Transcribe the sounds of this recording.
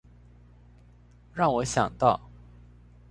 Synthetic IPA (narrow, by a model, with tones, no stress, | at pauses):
ɻɑ˥˩ŋwɔ˨˧˥ɕjɑ̰˨˩ŋt̪ɑ˥˩ʊ